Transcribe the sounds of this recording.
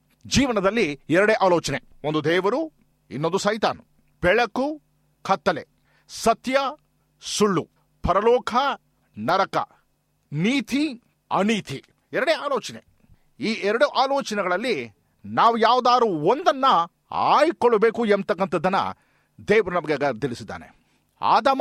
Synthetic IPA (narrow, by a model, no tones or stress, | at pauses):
d͡ʒiːʋɐnɐd̪ɐlːiɛɾɐɽeːʔaːloːt͡ʃɐne | ond̪ud̪ɛːʋɐɾu | ḭnːond̪usɐjt̪a̰ːnu | b̥ɛɭɐku | kʰɐt̪ːɐlḛ | sɐt̪jɐ | suɭːu | pɐɾɐlɔːkʰɐ | nɐɾɐkɐ̰ | niːt̪ʰi | ɐ̰niːt̪ʰi | ɛɾɐɽeaːloːt͡ʃɐne | iːʔɛɾɐɽuʔaːloːt͡ʃɐnɛɡɐɭɐlːi | naːʋujaːʋud̪aːɾuːond̪ɐnːɐ | a̰ːjkoɭɐbe̞ːkuent̪ɐkːɐnt̪ɐd̪ːɐnːɐ̰ | d̪ɛːʋɐɾunɐmɐɡeɡɐt̪ilisid̪ːa̰ːnḛ | a̰ːd̪ɐm